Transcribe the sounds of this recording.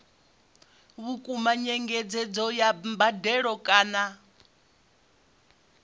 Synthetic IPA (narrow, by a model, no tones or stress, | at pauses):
βukʼumaɲɛŋɡɛd͡zɛd͡zɔjambadɛɺɔkʼaːna